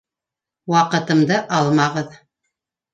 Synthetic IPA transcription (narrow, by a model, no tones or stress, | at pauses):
wɑqɤ̆t̪ɤ̆md̪ɤʔɑlˠmɑʁɤð